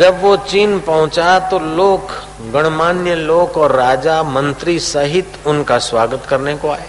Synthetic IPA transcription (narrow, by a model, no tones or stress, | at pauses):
d͡ʒɐbʋot͡ʃiːnpɐɦʊ̃t͡ʃat̪oloːk | ɡɐɽ̃maːnjəloːkɔːɾːaːd͡ʒamɐ̃nt̪ɾisɐɦɪt̪ʊnkaswaːɡət̪kɐɾnekoaːeː